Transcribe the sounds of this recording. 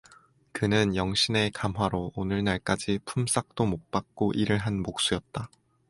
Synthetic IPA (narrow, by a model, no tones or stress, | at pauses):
kɯnɯnjʌŋɕ͈ʰine̞kamɦwaɾoonɯɭnaɭk͈ad͡ʑipʰums͈ak̚t͈omok̚p͈ak̚k͈oʔiɾɯɭɦanmok̚s͈ujʌt̚t͈a